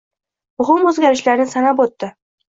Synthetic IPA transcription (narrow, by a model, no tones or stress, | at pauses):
mʊɦɪmɵzɡʲaɾɪʃlaɾnɪsanapot̪ːɪ